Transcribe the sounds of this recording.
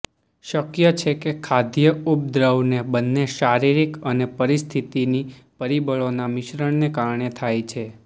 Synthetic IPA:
ʃəkjət͡ʃʰekekʰad̪jəup̚d̪ɾəwnebənːeʃaɾiɾikənepəɾist̪ʰit̪inipəɾibəɭonamɪʃɾəɳnekaɾɳet̪ʰajt͡ʃʰe

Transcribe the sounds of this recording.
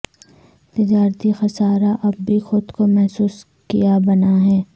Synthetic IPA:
t̪ɪd͡ʒaːɾt̪ixɐsaːɾaʔɐb̚bʱixʊd̪komɛɦsuːs | kijabɐnaɦɛː

